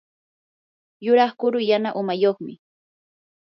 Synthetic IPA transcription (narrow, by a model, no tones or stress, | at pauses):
jʊɾɑχkʊɾʊjanaʔʊmajoχmɪ̰